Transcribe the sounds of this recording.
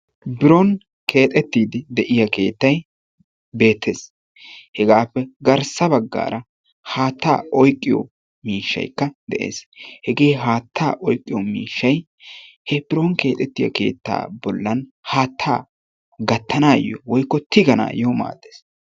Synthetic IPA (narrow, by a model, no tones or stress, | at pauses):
bɪɾon | kʰe̞ːt̪ʼɛt̪ːiːd̪ɪd̪ɛʔɪjɐke̞ːt̪ːɐj | be̞ːt̪ʰːeːs | hɛɡaːpːɛɡɐɾsɐbɐɡːa̰ːɾɐ | haːt̪ːa̰ːɔjkʼːɪjɔ̰ | miːʃːɐ̰jkːɐd̪ɛʔḛːshɛɡe̞ːɦaːt̪ʰːa̰ːʔɔjkʼːɪjɔmḭːʃːɐj | hɛbɪɾonke̞ːt̪ʼɛt̪ːɪjɐ̰ke̞ːt̪ːa̰ːbɔlːɐnhaːt̪ʰːa̰ː | ɡɐt̪ːɐnaːjɔwɔjkːɔt̪ɪɡɐna̰ːjɛma̰ːd̪ːeːs